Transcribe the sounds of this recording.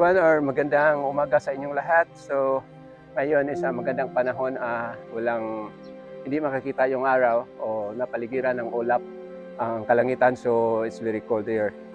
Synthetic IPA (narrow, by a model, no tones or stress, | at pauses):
wanoɹmɐɡɐnd̪aŋʊmaːɡasɐɪɲjoŋlaɦat̪̚so | ŋajonɪsamɐɡand̪aŋpanaɦo̞nawalaŋ | hɪnd̪ɪmɐkakiːt̪ajʊŋaːɾawʔonɐpalɪɡiɾanɐŋʔoːlap̚ | ʔaŋkɐlaŋiːt̪ansoɪt̪svɛɹikold̪ɛɹ